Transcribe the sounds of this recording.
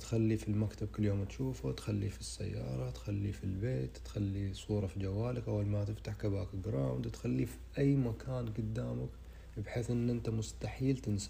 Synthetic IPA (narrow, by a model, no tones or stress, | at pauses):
t̪xalːifilmakt̪ab̚kɪlːjoːmt̪ʃuːfut̪xalːifisːa̰jːɑ̰ːɾˤɑt̪xalːifilbeːt̪ːxalːisˤuːɾˤɑfid͡ʒawːaːlɪkʔawːalmat̪ɪft̪aħkabaːkɡɾˤɑːmd̪t̪xalːifiʔajːmakaːnɡʊd̪ːaːmak | bħeːθʔɪnːʔɪnt̪amʊst̪aħiːlt̪ɪnsa